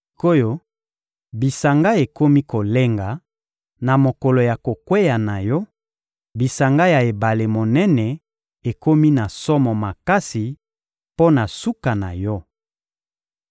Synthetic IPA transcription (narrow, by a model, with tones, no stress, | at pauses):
o˦jo˦ | bi˨sa˨ŋɡa˦e˨ko˦mi˦ko˨le˦ŋɡa˨ | na˨mo˨kɔ˨lo˨ja˨ko˨kwe˦ja˨na˨jɔ˦ | bi˨sa˨ŋɡa˦ja˨e˨ba˨le˨mo˨nɛ˦nɛ˨ | e˨ko˦mi˦na˨sɔ˦mɔ˨ma˨ka˦si˨ | po˦na˨su˦ka˨na˨jɔ˦